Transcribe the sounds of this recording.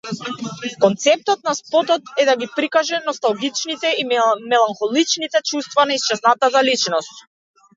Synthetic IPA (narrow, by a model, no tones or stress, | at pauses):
kɔnt̪sɛp̚t̪ɔt̪̚naspɔt̪ɔt̪ɛd̪aɡipɾikaʒɛnɔst̪alˠɡit͡ʃnit̪ɛimɛlˠanxɔlˠit͡ʃnit̪ɛt͡ʃust̪vanaist͡ʃɛznat̪azalit͡ʃnɔst̪̚